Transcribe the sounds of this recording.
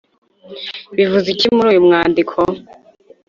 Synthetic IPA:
βivuzicimuɾuːjumŋaːndikʰo

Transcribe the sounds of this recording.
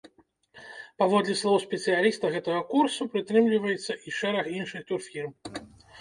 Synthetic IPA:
pavɔd̪lʲɛslˠɔwspʲɛt̪sɨjalʲist̪ɐɣɛt̪ɐɣɐkursupɾɨt̪ɾɨmlʲivɐjɛt̪sːɐʔiʂɛɾɐxinʂɨxt̪urfʲirm

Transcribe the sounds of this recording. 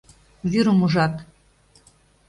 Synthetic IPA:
βyɾəmuʒɑt̪

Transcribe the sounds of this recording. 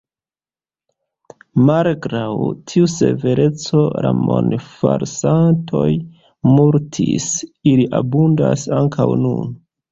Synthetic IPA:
malɡɾawtʰiuse̞ve̞ɾe̞t͡so̞ɾamonfaɾsantʰo̞j | muɾtʰisiliʔabundasaŋkʰawnṵn

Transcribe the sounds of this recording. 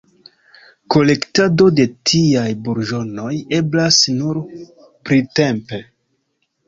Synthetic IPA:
ko̞le̞ktado̞de̞tʰiajbuɾʒo̞no̞je̞blasnuɾ | pɾite̞mpe̞

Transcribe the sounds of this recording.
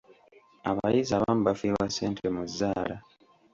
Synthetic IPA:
aβajizaβamuβafiɾwaseːntʰemuzːaːla

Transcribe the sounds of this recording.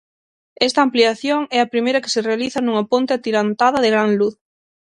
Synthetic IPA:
ɛst̪aːmpliaθjoŋɛɐpɾimejɾɐke̥serealiθɐnuŋɐpont̪eat̪iɾant̪aðɐðeɣɾaŋluθ

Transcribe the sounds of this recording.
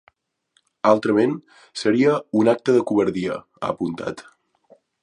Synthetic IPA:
alˠt̪ɾəmen | səɾiəunak̚t̪əðəkuβəɾðiə | a̰ːpunt̪a̰t̪

